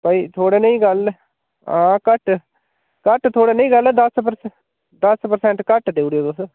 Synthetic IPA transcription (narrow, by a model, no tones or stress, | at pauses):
pəiːt̪ʰoːɽeːnəĩːɡəl | ãːkəʈ | kəʈt̪ʰoːɽeːnə̃ĩːɡəlɛːd̪əspəɾs | d̪əspəɾsɛ̃ɳʈkəʈd̪eːuɽioːt̪ʊs